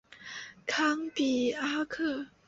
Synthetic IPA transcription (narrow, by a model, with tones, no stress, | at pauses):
kʰa˥ŋpi˨˩a˥kʰɤ˥˩˨